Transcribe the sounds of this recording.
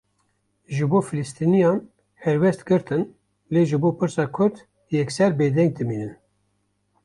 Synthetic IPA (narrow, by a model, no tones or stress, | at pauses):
ʒɨboːfɨlɨst̪inijɑːn | hɛɾwɛst̪ɡɨɾt̪ɨn | leːʒɨboːpʰɨɾsɑːkʰʊɾd̪ | jɛksɛɾbeːd̪ɛŋɡ̚d̪ɨmiːnɨn